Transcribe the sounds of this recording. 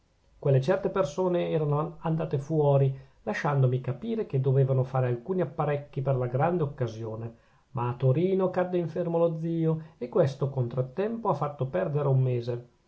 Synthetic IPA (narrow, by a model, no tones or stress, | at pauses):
kwelːet͡ʃɛrt̪epersoːneɛːɾanoand̪aːt̪efwɔːɾi | laʃand̪omikapiːɾeked̪ːoveːvanofaːɾealkuːniapːaɾɛkːiperlaɡɾand̪eokːazjoːne | mʔaːt̪ːoɾiːnokad̪ːeiɱfermolod̪ziːoekːwest̪okont̪ɾot̪ːɛmpoafːat̪ːopɛrd̪eɾeumːeːze